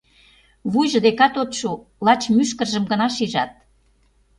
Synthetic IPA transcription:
βujʒə̆d̪ekɑt̪ot̪ʃu | lɑt͡ɕmyʃkə̆rʒə̆mɡə̆nɑʃiʒɑt̪̚

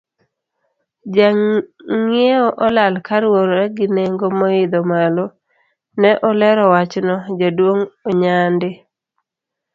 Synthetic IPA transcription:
d͡ʒaŋeɔʔɔlalkaɾwoɾɾɛɡɪneŋɡomɔɪd̪omalɔ | nɛʔɔlɛɾɔwat͡ʃnɔd͡ʒadwoŋoɲandɪ

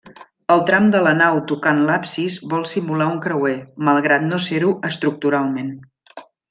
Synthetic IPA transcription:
əlˠt̪ɾamd̪ələnawt̪ukanlapsizβɔlˠsimulauŋkɾəweməlˠɣɾat̪noseɾuʔəst̪ɾuk̚t̪uɾalˠmen

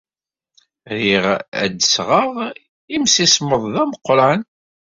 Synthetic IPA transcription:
ɾiʁæ̰d̪əsʁəʁ | imsisməðˤðæməqːɾɑn

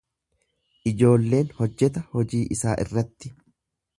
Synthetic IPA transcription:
ʔɪd͡ʒo̞ːlːe̞ːnhɔd͡ʒːɛt̪ɐhɔd͡ʒiːʔɪsaːʔɪ̰rːɐt̪ːɪ

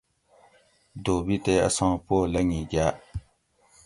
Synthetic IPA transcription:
dobitea̰sãpolaɲiɡa

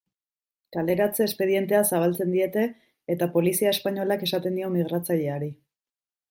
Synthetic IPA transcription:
kald̪e̞ɾat͡se̞ːspe̞ð̞ie̞nt̪e̞asaβ̞alt͡se̞nd̪ie̞t̪e̞ː | t̪apo̞lisiaespaɲo̞lake̞sat̪e̞nd̪io̞miɣɾat͡saʎe̞aɾi

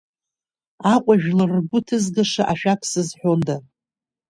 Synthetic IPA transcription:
aqʷʼaʒᶣlɨrɡʷʊtʰɨzɡaʂaʔaʃᶣapʷʰsɨzħʷᶣonda

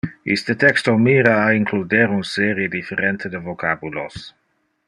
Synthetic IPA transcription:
ḭst̪ət̪ɛkst̪omiːɾaːiŋkʰlud̪eɾunseɾjed̪ifeɾent̪əd̪əvokʰabulos

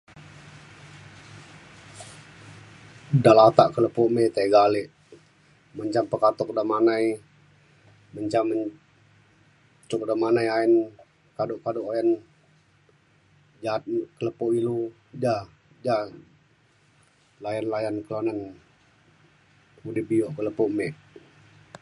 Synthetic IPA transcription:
dalat̪aʔkələpomet̪aiɡalɪʔ | məɲt͡ʃampəkat̪ɔk̚damanaj | məɲt͡ʃamə | t͡ʃ̪uk̚damanajain | kadoʔkadoʔojan | d͡ʒat̪̚kələpoʔilu | d͡ʒa | d͡ʒa | lajanlajankəlanan | mudihbioʔkələpɔʔmeʔ

